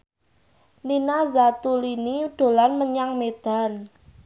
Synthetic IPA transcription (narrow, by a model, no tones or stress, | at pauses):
ninazat̪uliniɖ̪̥o̤lanməɲaŋmed̪̥a̤n